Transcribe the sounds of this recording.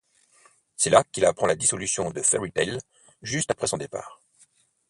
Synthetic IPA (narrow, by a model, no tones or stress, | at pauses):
sɛlakilapχɑ̃lad̪isɔlysjɔ̃d̪əfɛʁit̪ɛl | ʒyst̪apχɛsɔ̃d̪epa̰ːʁ